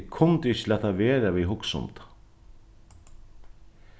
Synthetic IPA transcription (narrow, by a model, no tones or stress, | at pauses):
kʰʊnt̪ɪɪçɪlɛːt̪avɛːɾaviɦʊksʊ̰mt̪